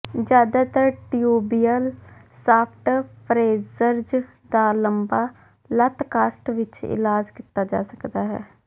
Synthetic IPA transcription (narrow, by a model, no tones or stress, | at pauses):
d͡ʒjaːd̪aːt̪əɾʈijuːbiːjəl | saːpʰʈpɾeːzəɾd͡ʒ | d̪aːləmbaː | lət̪kaːsʈʋɪt͡ʃɪ̰laːd͡ʒkit̪aːd͡ʒa̰ːsəkd̪aːɦɛ̰ː